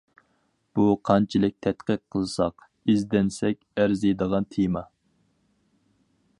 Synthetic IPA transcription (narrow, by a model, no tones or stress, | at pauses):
b̥uqʰɑnt͡ʃʰilɪk̚ʲt̪ʰɛt̪qəq̚ʰːəlˠɨsɑq | izd̪ɛnsɛkʲæɾzijd̪əʁɑnt̪ʰemɑ